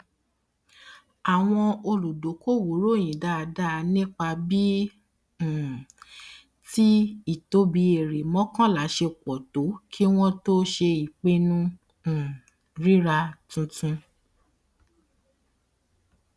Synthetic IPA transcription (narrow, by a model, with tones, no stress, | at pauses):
a˨w̃ɔ̃˧o˧lu˨do˨˦ko˦˨wo˨˦ɾo˦˨j̃ĩ˨da˦a˧da˦˧nĩ˦k͡pa˧bĩ˦˨ | ti˦i˦˨to˨˦bi˧e˨ɾe˨mɔ̃˦kã˦la˨˦ʃe˧kɔ˨to˨˦kʰi˦w̃ɔ̃˦to˦ʃe˧i˨k͡pe˧nũ˦˨ | ɾi˦ɾa˧tũ˧tũ˧